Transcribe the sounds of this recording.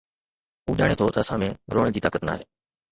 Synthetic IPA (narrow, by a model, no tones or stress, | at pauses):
uːʄaːɽ̃eːt̪ʰot̪əəsãːmẽːɾoːɽeːd͡ʑiːt̪aːkət̪na̰ːɦeː